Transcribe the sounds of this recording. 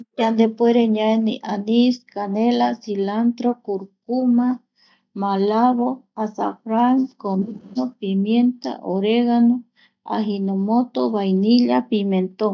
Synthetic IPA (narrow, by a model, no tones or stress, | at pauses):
jand̪epweɾeɲaeniʔaniskanelasilant̪ɾokuɾkuma | malaβoasafɾaŋkominopimjent̪a̰ʔoɾeɣano | a̰ɦinomot̪oβajniʎapiment̪o